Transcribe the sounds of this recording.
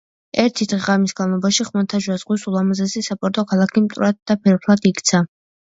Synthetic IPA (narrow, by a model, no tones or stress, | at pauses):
ɛɾt̪ʰid̪̥ʁɛʁamisɡanlˠɔbaʃiχmant̪ʰaʒwazʁwisulˠamazɛzisapʼɔɾt̪ʼɔkʰalˠakʰimt̪ʼuɾad̪̚d̪apʰɛɾpʰlˠad̪ikʰt̪sʰa